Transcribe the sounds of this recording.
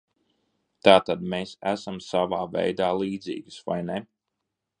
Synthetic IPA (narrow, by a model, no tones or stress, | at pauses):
t̪aːt̪ad̪̚meːsæsamsavaːvɛ̰jd̪aːlˠiːd̪zḭːɡɨsva̰jnɛ